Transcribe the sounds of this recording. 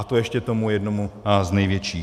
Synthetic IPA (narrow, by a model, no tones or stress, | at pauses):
at̪ojɛʃcɛt̪omujɛdnomuznɛjvjɛt͡ʃiː